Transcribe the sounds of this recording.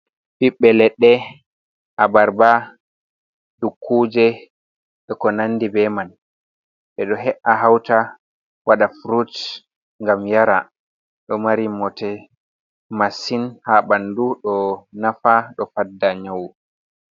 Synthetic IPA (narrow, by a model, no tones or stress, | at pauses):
biɓːɛlɛɗːɛ | ʔabaɾba | dukʰːuːd͡ʒɛ | ɗɛkɔnanːdibɛman | ɓɛɗɔɦɛʔaɦawta | waɗafɾut | ŋɡamjaɾa̰ | ɗɔmaɾimːɔtɛ | masinhaɓanduɗɔnafaɗɔfadːaɲaw